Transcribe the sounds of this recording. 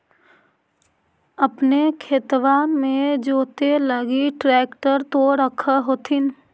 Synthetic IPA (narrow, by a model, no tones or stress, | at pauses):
əpnekʰeːt̪ʋamẽd͡ʒoːt̪eləɡiʈɾɛːkʈəɾt̪oɾəkʰaɦoːt̪ʰɪn